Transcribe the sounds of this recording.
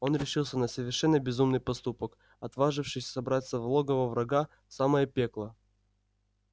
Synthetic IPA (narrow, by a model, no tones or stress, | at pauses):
o̞nɾʲɪʂɨlˠsʲənəsəvʲɪrʂɛnːəbʲɪzumnɨjpɐst̪upək | ɐt̪vaʐɨfʂɨsʲsɐbɾat̪səvlˠoɡəvəvɾɐɡa | saməjəpʲeklˠə